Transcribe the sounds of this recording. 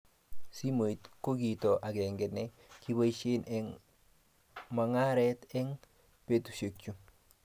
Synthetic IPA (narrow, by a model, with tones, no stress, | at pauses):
si˦mo˨i˨t̪ko˦ɡi˨to˨ʔa˨ɡɛ˨ŋɡɛ˨nɛ˦ | ki˦bo˦i˦ʃɪ˦nɛ˦ŋ | ma˨ŋa˦ɾɛ˦t̪ɛ˦ŋ | pe˦t̪u˨ʃe˨kt͡ʃu˦